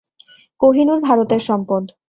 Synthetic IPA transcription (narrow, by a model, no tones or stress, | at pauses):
koɦinuɾbʱaɾot̪eɾʃɔmpod̪